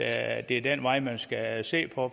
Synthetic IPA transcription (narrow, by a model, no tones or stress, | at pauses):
d̥e̝æɐd̥enʋɑ̈ɪ̰mænsɡ̥æse̝̰ːpʰɒ̽